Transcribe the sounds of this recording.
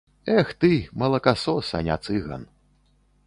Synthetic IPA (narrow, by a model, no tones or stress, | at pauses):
ɛxt̪ɨmɐlˠɐkasɔsɐ̰nʲa̰t̪sɨɣɐ̰n